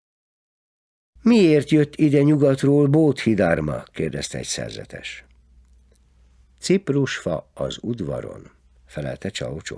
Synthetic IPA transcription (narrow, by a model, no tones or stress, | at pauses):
mieːrt̪jøt̪ːid̪ɛɲuɡɒt̪roːlboːt̪hid̪armɒkeːrd̪ɛst̪ɛɛcsɛ̰rzɛ̰t̪ɛ̰ʃ | t̪sipruʃfɒɒzud̪ʋɒɾo̞̰n | fɛlɛlt̪ɛt͡ʃɒot͡ʃo̰